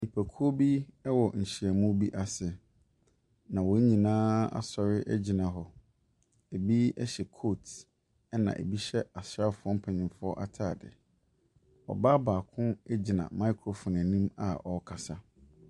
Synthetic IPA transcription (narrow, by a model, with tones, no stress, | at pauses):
ni˨pʰæ˨kʰu˦o˦bi˦ɛ˦wɔ˨ɲ̩˨ɕi˨ɛ˨mũ˦bi˦ʔa˨sɪ˨ | nã˨wɔ˨˦ɲĩ˨nãː˦a̰˨sɔ˨ɾɪ˦ʔɛ˦d͡ʑi˨nã˨ɦɔ˨ | e˨bi˦ɛ̰˦ɕɛ˨kʰo˦˨tʰ | ɛ˦nã̰˨ʔḛ˨bi˦ɕɛ˦a˨sɾa˦fʊ˨˦ɔ˦m̩˦pʰɛ̃˨ɲĩ˨mfʊ˦ɔ˦ʔa̰˨tʰaː˦˨dɪ̰˨ | ɔ̰˨ba˦baː˨kʰʊ̃˦ɛ˦d͡ʑi˨nã̰˨ma˦i˦kʰɾo˨fɔ̃˨n˨nĩ˦ma̰˨ʔɔ˨˦kʰa˨sa˦